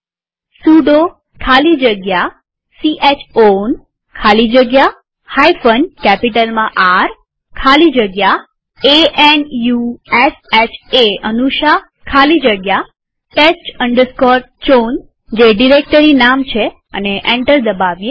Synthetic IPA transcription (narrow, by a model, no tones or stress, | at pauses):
suɖo | kʰalid͡ʒəɡja | siʔet͡ʃʰon | kʰalid͡ʒəɡja | hajfənɖkɛpiʈəlmãʔaɾ | kʰalid͡ʒəɡja | eʔenjuesɛt͡ʃʰeənuʃa | kʰalid͡ʒəɡja | ʈesʈəɳɖəɾskɔɾ̚ | t͡ʃon | d͡ʒeɖiɾek̚ʈəɾinamt͡ʃʰe | ə̰neʔẽɳʈəɾd̪əbaʋje